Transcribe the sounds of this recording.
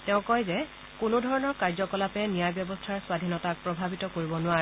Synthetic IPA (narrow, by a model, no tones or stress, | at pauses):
tɛʊ̃kɔjzɛ | kʊnʊdʱɔɹɔnɔɹkaɹzɔkɔlapɛnijajbjɔbɔstʰaɹswadʱinɔtak̚pɹɔbʱabitɔkoɹibɔnʊwaɹɛ